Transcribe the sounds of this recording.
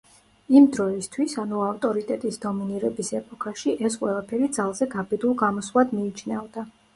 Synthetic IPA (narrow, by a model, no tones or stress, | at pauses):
imd̪ɾɔist̪ʰwisanuaft̪ʼɔɾit̪ʼɛt̪ʼisd̪ɔminiɾɛbisɛpʼɔkʰaʃiʔɛsqʼwɛlˠapʰɛɾid̪zalˠzɛɡabɛd̪ulˠɡamɔslˠad̪miːt͡ʃʰnɛvd̪a